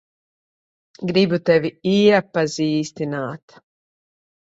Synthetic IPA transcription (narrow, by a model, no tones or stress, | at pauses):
ɡɾibut̪ɛʋiiɛpːaziːst̪inaːt̪